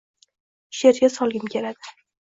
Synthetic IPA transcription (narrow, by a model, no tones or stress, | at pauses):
ʃe̞ɾɡʲasɒlˠɡʲɪmkʲʰe̞ɾad̪ɪ